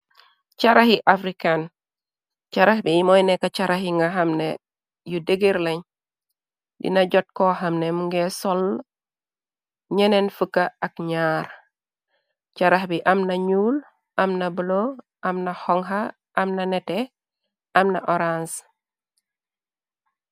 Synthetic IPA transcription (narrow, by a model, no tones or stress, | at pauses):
caɾahiʔafɾikan | caɾahbimɔjnekat͡ʃaɾahiŋɡaɦamne | judeɡiɾleɲ | dḭnaɟɔt̚kɔɦɐmnemuŋɡɛsɔl | ɲɛnenfəkːaakɲaːɾ | caɾaxbiʔamnɐɲuːl | ʔamnabulo | ʔamnɐhɔŋɦa | ʔːmnanete | ɐmna̰ʔoɾans